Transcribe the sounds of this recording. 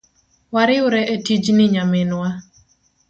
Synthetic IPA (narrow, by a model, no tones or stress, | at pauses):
waɾɪʊɾɛʔetid͡ʒnɪɲamɪnwa